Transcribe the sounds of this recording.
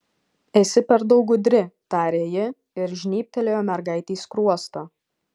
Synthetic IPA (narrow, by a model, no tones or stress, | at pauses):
ɛsʲɪpʲɛɾd̪ɐʊɡʊd̪ʲɾʲɪt̪ɑːɾʲeːjɪ | ɪɾʒʲnʲiːp̚ʲt̪ʲɛlʲeːjoːmʲɛɾɡɐɪt̪ʲiːskɾuɔst̪oː